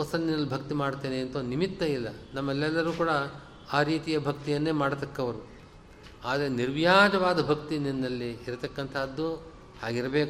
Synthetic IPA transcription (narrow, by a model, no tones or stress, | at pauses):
ɔsɐnːinɐlːibʱɐkt̪imaːɽt̪eːneɐnt̪ɐnimit̪ːɐilːɐnɐmːɛlːɛlːɐɾuːkuːɽɐ | aːɾiːt̪ijɐbʱɐk̚t̪ijɐnːe̞ːmaːɽt̪ɐkːɐʋɐɾu | aːd̪ɐɾeniɾʋjaːd͡ʒɐʋaːd̪ɐbʱɐk̚t̪ininːɐlːiːɾɐt̪ɐkːɐnt̪ʰaːd̪ːu | haːɡiɾɐbeːk